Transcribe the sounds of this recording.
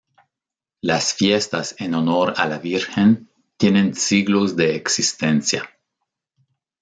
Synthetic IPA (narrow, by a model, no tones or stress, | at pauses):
lasfjest̪asenono̞ɾa̰laβiɾxen | t̪jenẽnsiɣlozðeːksist̪ensja̰